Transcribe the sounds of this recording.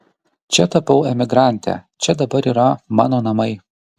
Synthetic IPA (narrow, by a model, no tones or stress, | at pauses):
t͡ʃʲɛt̪ɐpɐʊɛmʲɪɡɾɑˑnʲt̪ʲæ̰ːt͡ʃʲɛd̪ɐbɐɾiːɾɐmɑ̰ːnoːnɐmɐɪ